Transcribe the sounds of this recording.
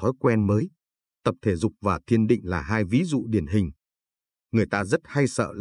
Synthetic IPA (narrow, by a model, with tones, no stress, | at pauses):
t̪ʰɔ˨˦jkwɛ˧nməː˨˦j | t̪ə˨˩p̚t̪ʰe˧˩zʊ˨˩k͡p̚vaː˨˩t̪ʰi˧ənɗḭ̈˧˨ŋ̟laː˨˩ɦaː˧jvi˨˦zṵ˧˨ɗi˧˩ənɦï˨˩ŋ̟ | ŋɨ˨˩əjt̪aː˧zə˦˥t̚ha˧jsə̰ː˧˨l